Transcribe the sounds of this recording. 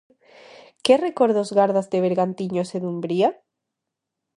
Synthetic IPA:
kerekoɾðozɣaɾðazd̪eβeɾɣant̪iɲoseðumbɾia

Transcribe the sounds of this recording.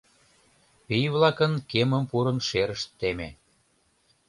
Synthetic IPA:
pijvlɑkənkeməmpuɾənʃeɾəʃt̪ːemḛ

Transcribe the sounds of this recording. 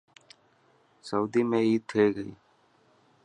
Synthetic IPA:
səuːd̪iːmẽːiːd̪̚t̪ʰeːɡəḭː

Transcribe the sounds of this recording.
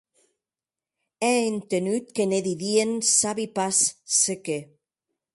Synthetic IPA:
ɛent̪enyt̪keneðiðiensaβipasseke

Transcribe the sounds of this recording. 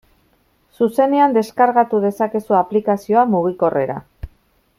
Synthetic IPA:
suse̞ne̞and̪e̞skaɾɣat̪uðe̞sake̞suaplikasio̞amuɣ̞iko̞rʔe̞ɾa̰

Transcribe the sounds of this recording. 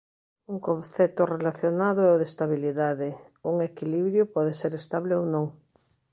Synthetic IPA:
uŋkõnθɛt̪ʊrelaθjonaðʊɛoðest̪aβ̞iliðaðe | uŋekiliβɾjopɔðeseɾest̪aβleownõŋ

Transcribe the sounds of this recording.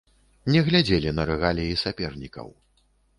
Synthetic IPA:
nʲɛɣlʲad͡zʲelʲinɐɾɨɣalʲijisʲapʲɛrnʲikɐ̰w

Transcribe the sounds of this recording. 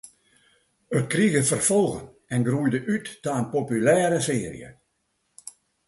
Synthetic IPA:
ət̚kriɣəfərfolˠɣə̰n | ɛnɡrujdəʔytːaənpopylɛːɾəseːrḭə̰

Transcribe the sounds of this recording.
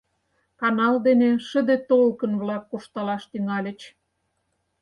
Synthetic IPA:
kɑnɑld̪eneʃə̆d̪et̪olkə̆nβlɑkːoʃt̪ɑlɑʃt̪yŋɑlʲə̆t͡ɕ

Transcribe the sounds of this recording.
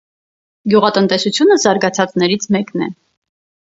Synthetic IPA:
ɡjuʁɑt̪ənt̪ɛsut͡sʰjunəzɑɾɡɑt͡sʰɑt͡snɛɾit͡sʰmɛknɛ̰

